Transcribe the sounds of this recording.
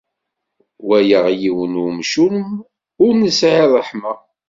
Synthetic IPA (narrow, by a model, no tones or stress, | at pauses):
wæjəʁjiwənumʃum | ʊɾnəsʕiðˤəħmə